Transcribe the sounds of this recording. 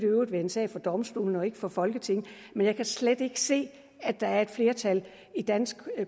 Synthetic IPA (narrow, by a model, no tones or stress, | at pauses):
ɾ̥øʊʋe̝e̝nsɛ̰ːfɒ̽d̥ɒ̽msd̥o̝̰ːln̩ɒ̽e̝ɡ̥əfɒ̽fɒ̽lɡ̥ət͡sʰe̝ŋ̰ | menjɑ̈ɪkʰæsled̥e̝ɡ̥ə̥se̝̰ː | æd̥ɑ̈æɐe̝d̥fle̝ːɐt͡sʰæl | id̥æn̰sɡ̥